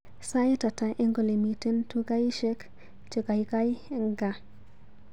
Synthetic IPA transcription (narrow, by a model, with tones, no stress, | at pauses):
sa˦jta˨ta˨ʔe˦ŋɡo˨le˨mi˨ti˦ntu˦ɡa˦jʃe˦k | t͡ʃe˨ɡa˨jka˦jŋɡa˨